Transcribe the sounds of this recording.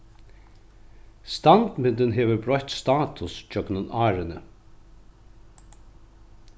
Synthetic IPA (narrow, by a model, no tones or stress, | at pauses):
st̪ɑnd̪mɪnd̪ənɦeːʋəɾbɹœʏt̪st̪ɑːt̪ʰʊsc͡çœknənɑːɾənə